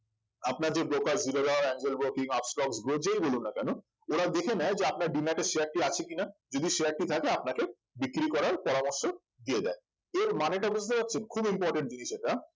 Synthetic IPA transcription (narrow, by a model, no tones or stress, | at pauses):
apnaɾd͡ʑebɾokaɾzilod̪aɾɛŋd͡ʑelbɾokiŋɔpsʈɔksɡɾod͡ʑejbolunːakɛno | oɾad̪ekʰenaed͡ʑeap̚naɾɖinaʈeʃejaɾʈiat͡ɕʰekinad͡ʑod̪iʃeaɾʈit̪ʰakeapnake | bikɾikɔɾaɾpɔɾamoɾʃo | d̪ied̪a̰e | eɾmaneʈabud͡ʑt̪epatːɕʰenkʰubimpɔɾʈeɳʈ̚d͡ʑiniʃeʈːa